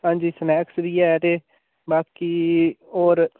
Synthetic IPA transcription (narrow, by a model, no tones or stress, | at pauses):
hãːɲd͡ʒiːsəmɛːksʋiːɛːt̪eː | baːkiːoːɾ